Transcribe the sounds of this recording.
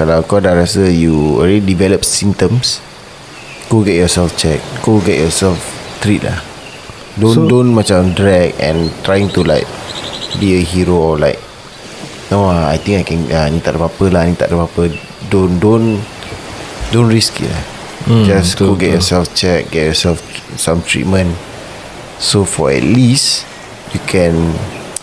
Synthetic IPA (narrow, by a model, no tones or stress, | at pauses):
kalawkɔdaɾasəjuilidivɛləp̚sĩnt̪ə̃ms | koɡɛt̚jɔsɛlft͡ʃɛk̚ːoɡɛʔ̚jɔsɛlft̪ɾit̚la̰h | dõndõnmat͡ʃãmdɹɛk̚ɛ̰̃nt̪ɾajĩŋt̪ulaɪk̚biəɦiɹoɔlaɪk̚ | noaajt̪ĩŋkajkɛ̃nanit̪a̰ʔdəpapəlahnit̪a̰ʔdəpapə | dõndõn | dõnɹiskḭla̰h | d͡ʒaskuɡɛt̚jɔsɛlft͡ʃɛk̚ɡɛt̚jɔsɛlfsãmt̪ɹḭt̚mə̃n | sofɔ̰ɛ̰t̚lis | jukʰɛ̃n